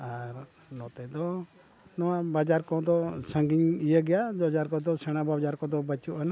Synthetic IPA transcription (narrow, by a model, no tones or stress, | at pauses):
aɾ | nɔt̪ɛd̪ɔ | nɔwabad͡ʒaɾkɔd̪ɔsəŋɡiɲijəɡɛjad͡ʒɔd͡ʒaɾkɔd̪ɔsɛɽ̃abad͡ʒaɾkɔd̪ɔbət͡ʃuʔana